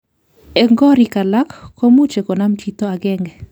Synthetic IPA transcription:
ɛ˨ŋɡɔ˦ɾi˨ka˨la˦kːo˦mu˦t͡ʃe˨kɔ˨na˦mt͡ʃit̪o˦a˨ɡɛ˦ŋɡɛ˨

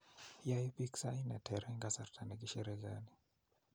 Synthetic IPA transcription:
jai˦pi˦ksai˦na˨tʰɛ˨ɾɛ˦ŋɡa˦sa˨rtʰa˨nɛ˨ki˦ʃɛ˦ɾɛɡani˨

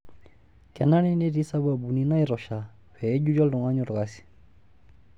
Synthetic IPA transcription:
kɛ˨na˦ni˦ne˦ɾi˦sa˦ba˨bu˨ni˦na˦i˦ɾɔ˨ʃa | ɸɛ˨˦d͡ʒu˦d͡ʒɔ˦lɔ˨ŋa˦ɲɔ˦ɾka˦si̥˨

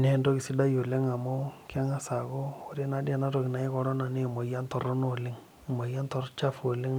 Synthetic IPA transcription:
ne˦ndo˦kɪ˨sɪ˦da˦jo˨le˦ŋa˨mo˦ka˦ŋa˦sa˨ko˦o˦ɾe˦na˦dja˨na˦to˨kɪ˨na˨ɪ˦kɔ˦ɾɔ˦na˨ne˦˨mo˨ja˦ntɔ˨ɾɔ˦no˦lɪ˦ŋ˨ | mo˨ja˦ntɔ˦ɾt͡ʃa˦fo˨lɪ˦ŋ

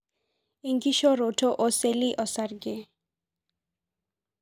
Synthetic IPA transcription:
i˨ŋɡi˦ʃo˦ɾo˨to˦ʔo˦se˦li˦ʔɔ˨sa˨rɡe˦˨

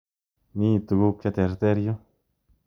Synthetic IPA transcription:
ni˦˧t̪u˨ɡu˦k̚t͡ʃa˧t̪e˨ɾt̪e˦ɾjo˦

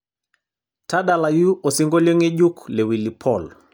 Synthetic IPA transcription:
ta˦ɗa˨la˨ju˦ɔ˨si˦ŋɡɔ˦lɔ˦ŋɛ˦ʄu˦klɛ˨wi˨li˨pʰɔl

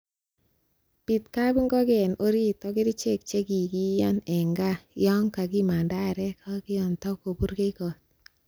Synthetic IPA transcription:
pi˨tka˦bi˦ŋɡɔ˦ɡɛ˨no˦ɾi˦t̪ɔ˦ɡɪ˦ɾɪ˦t͡ʃe˦˨k̚t͡ʃe˦ɡi˨ɡi˦jɔ˦nɛ˨ŋɡa˦jɔ˦ŋka˨ɡi˦ma˨nda˦˨ɾɛ˦kʰa˦ɡɪ˦jɔ˨ntɔ˦ko˨bu˦ɾɡe˦kɔ˨t̚

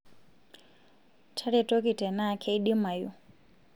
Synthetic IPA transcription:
tʰa˦ɾɛ˨tʼɔ˦ki˨tɛ˨na˦˨kʰe˦i˦ɗi˦ma˨ju˦

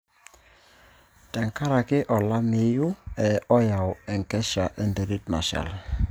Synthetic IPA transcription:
tɛ˨ŋka˦ɾa˨kɪ˦ʔɔ˨la˦mɪ˨˦ju˦ɛ˨ɔ˦ja˨wɛ˨ŋkɛ˦ʃa˨ʔɛ˦ndɛ˨ɾi˦t̚na̰˨ʃa̰˨l

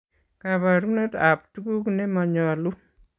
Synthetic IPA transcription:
kaβa˨ɾku˦ne˦ta˨p̚tu˦ku˦kune˦ma˧ɲa˨lu˦

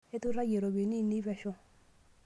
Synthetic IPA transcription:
e˦tu˦ɾa˦ɡe˨ɾo˨be˨ni˦˨ni˦vɛ˨ʃɔ˧

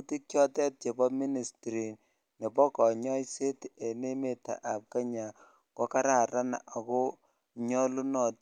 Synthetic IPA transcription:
u˦ti˦kjɔ˦tɛ˦t̚t͡ʃe˨bɔ˦mi˦ni˨stɾi˨n | ne˨pɔ˦kɔ˨ɲɔ˦jse˦te˨ne˦me˨ta̰˨ʔa˨p̚ka˦ɲa˨ | kɔ˦ka˦ɾa˨ɾa˦na̰˨a˨ko˦ | ɲɔ˦lu˦nɔ˨t̚

